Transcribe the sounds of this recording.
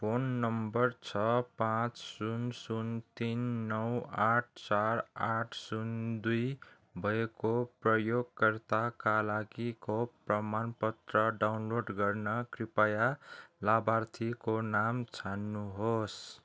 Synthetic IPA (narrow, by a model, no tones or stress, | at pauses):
pʰonːʌmbʌrt͡sʰʌpãt͡ssunsunt̪inːʌwaʈ̚ʰt͡saɾaʈʰsund̪uj | bʱʌekoprʌjoɡkʌrt̪akalaɡikoprʌmanpʌt̪rʌɖawnloɖɡʌrnʌkripajalabart̪ʰikonamt͡sʰanːuɦos